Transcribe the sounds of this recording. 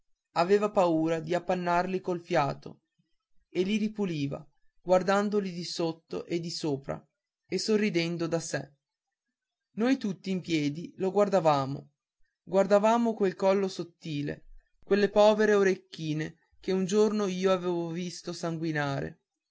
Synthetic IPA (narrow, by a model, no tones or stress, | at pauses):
aveːvapauːɾad̪iapːanːarlikolfjaːt̪o̰ | eliɾipuliːva̰ | ɡward̪and̪olid̪isot̪ːo̰ʔed̪ːisoːpɾa̰ | esorːid̪ɛnd̪od̪asɛ̰ | nojt̪ut̪ːiːmpjɛːd̪iloɡward̪avaːmo̰ | ɡward̪avaːmokwelkɔlːosot̪ːiːlḛ | kwelːepɔːveɾeoɾekːiːne | keund͡ʒornoiːoaveːvovist̪osaŋɡwinaːɾḛ